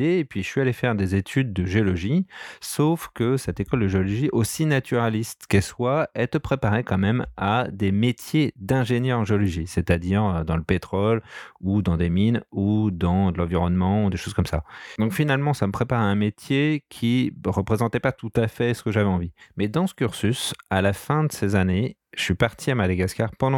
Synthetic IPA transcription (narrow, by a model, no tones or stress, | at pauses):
epɥiʃɥialefɛʁd̪ezet̪ʰyd̪̚ːəʒeɔlɔʒisofkəsɛt̪ekɔld̪əʒeɔlɔʒiʔosinat̪yʁalist̪kɛlswaɛlt̪əpχepaʁekɑ̃mɛmad̪emet̪jed̪ɛ̃ʒenjœʁɑ̃ʒeɔlɔʒiset̪ad̪iʁød̪ɑ̃ləpet̪χɔlud̪ɑ̃d̪eminud̪ɑ̃d̪əlɑ̃viʁɔnmɑ̃ud̪eʃoz̥kɔmsa̰d̪ɔ̃kfinalmɑ̃saməpχepaʁɛ̃met̪jekʲʰiʁəpχezɑ̃t̪ɛpat̪ut̪afɛsə̥kəʒavɛɑ̃vimɛd̪ɑ̃sə̥kʲyʁsysalafɛ̃d̪əsezane | ʒ̥əsɥipaʁt̪ʰiamad̪aɡaskaʁpɑ̃d̪ɑ̃